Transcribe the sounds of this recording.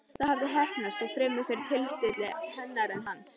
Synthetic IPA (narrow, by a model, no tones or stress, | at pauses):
θaðhavðɪɦɛhpnast̪aɣfɾɛːmːʏfɛɾt̪ʰɪlst̪ɪt̪lɪhɛnːaɾɛnɦans